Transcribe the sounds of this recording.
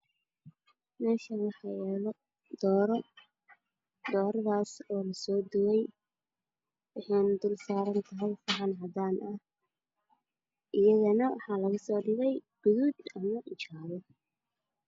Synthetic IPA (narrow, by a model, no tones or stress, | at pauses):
mɛːʃɐwɑħɑjɛːlɔ | d̪̥ɔːɾɔ | d̪ɔːɾðaːsɔːlɐsɔːd̪ʊwɛj | wɪħɛnd̪ʊlsaːɾɐnt̪ʰɐɦɛjfaːʕɑnɦɐd̪aːnʔɐh | ʔɪjɐðɐnɐwɑħɑːlɐɣʊsɔːɖɪβɛjɡ̥ʊðuːd̪ɐmɐʔɪt͡ʃaːðɔ